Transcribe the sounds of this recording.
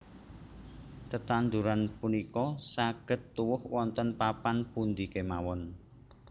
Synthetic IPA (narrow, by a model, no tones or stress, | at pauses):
t̪ət̪and̪uɾanpunikɔsaɡ̥ə̤t̪ːuwʊhwɔnt̪ənpapanpund̪ikemawɔn